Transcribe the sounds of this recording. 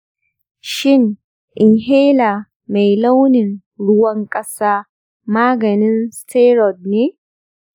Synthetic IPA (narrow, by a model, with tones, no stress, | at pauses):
ʃɪ˦ŋ | ʔɪ˨ŋɦeː˦laː˨ | me˨jla˦wnɪ˨n | ɽʊ˦wɐ˦ŋkʼɐ˦saː˦ | maː˦ɡɐ˨nɪ˦nsteː˦ɾɔ˨d̚neː˦